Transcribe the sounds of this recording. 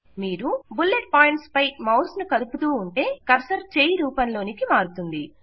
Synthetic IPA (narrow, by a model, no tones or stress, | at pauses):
miːɾubulːeʈ̚paːjiɳʈspɐjmɐwsnukɐd̪uput̪uːuɳʈe̞ːkɐɾsɐɾt͡ʃeːjiɾuːpɐnlo̞ːnikimaːɾut̪und̪i